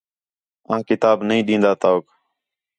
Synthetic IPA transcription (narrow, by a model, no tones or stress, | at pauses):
ãːkɪt̪aːbnəɦĩːɗĩːnd̪aːt̪aːoːk